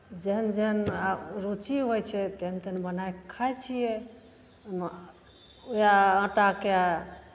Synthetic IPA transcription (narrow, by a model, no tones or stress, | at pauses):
d͡ʒeɦənd͡ʒeɦənaɾut͡ʃiɦojt͡ʃʰɛt̪eɦənt̪ənbənajkʰajt͡ʃʰijɛ | əm | ujaə̃ʈakea